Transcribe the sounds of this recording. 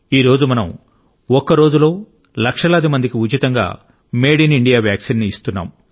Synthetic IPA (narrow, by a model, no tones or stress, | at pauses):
iːɾo̞ːd͡ʒumɐnɐm | ɔkːɐɾo̞ːd͡ʒulo̞ː | lɐkʂɐlɐːd̪imɐnd̪ikiud͡ʒit̪ɐŋɡa̰ː | meːɖiniɳɖijaːʋjaːksinːiːst̪unːa̰ːm